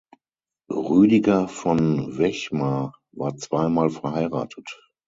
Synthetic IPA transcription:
ʁyːdɪɡafɔnvɛçma | vaːɐt͡sv̥aɪmaːlfɛɐhaɪʁa̰ːtʰət

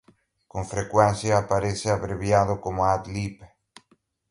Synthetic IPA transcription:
koŋfɾekwenθjaːpaɾeseaβɾeβjaðokomoat̪lip

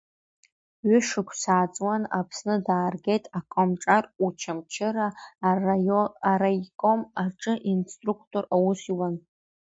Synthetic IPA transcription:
ɥʏʂɨkʷʰsaːt͡sʼwana̰pʰsnɨdaːrɡʲe̞jtʼakʷʼomʈ͡ʂʼarut͡ʃʰamt͡ʃʰɪɾa | rajkʼomarʈ͡ʂʼɨʔinstʼrukʰtʼo̞rawʊsiwan

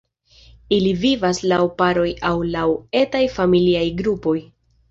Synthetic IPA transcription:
ilivivaslawpaɾo̞jawlawe̞tajfamiliajɡɾupo̞j

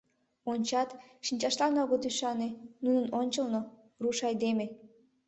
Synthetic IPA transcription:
onʲt͡ɕɑt̪ʃinʲt͡ɕɑʃlɑnoɣot̪yʃɑnenunənonʲt͡ɕə̆lno | ruʃɑjd̪eme

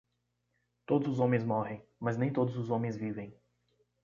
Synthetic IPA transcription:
t̪od̪ʊzʊzɔmʲẽjzmɔɦẽj̃mɐzʲnɛ̃j̃t̪od̪ʊzʊzɔmʲẽjzvʲivʲẽj̃

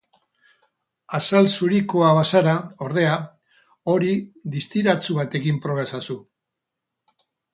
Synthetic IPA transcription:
asalsuɾikoaβ̞asaɾao̞ɾð̞e̞a | o̞ɾiðist̪iɾat͡suβat̪e̞kimpɾo̞ɣɾesasu

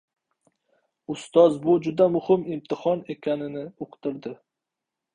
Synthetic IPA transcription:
ʊst̪ɒzbʊd͡ʒʊd̪amʊhɪmɪmt̪ʰɪhɒne̞kʲʰanɪnɪoqt̪ɪɾd̪ɪ

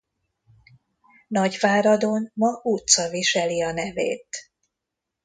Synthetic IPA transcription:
nɒɟvaːɾɒd̪onmɒut̪sɒviʃɛliɒnɛvḛːt̪

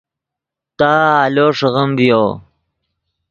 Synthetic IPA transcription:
t̪aːloːʂəɣəmbjo

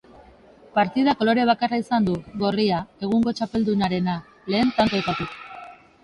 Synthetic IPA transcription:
paɾt̪iðako̞lo̞ɾeβ̞akaraisand̪uɣo̞riae̞ɣ̞uŋɡo̞t͡ʃape̞ld̪unaɾe̞na | le̞ːnt̪ant̪o̞ajpat̪uk

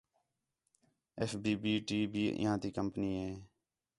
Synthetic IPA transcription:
ɛːfbiːbiːʈiːbʱiːɪ̰ɦãːd̪iːkəmpniːɦɛː

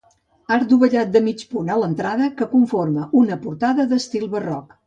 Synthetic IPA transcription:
aɾd̪uβəʎat̪̚d̪əmit͡ʃpunələnt̪ɾaðəkəkuɱforməʔunəpuɾt̪aðəðəst̪ilˠβərɔk

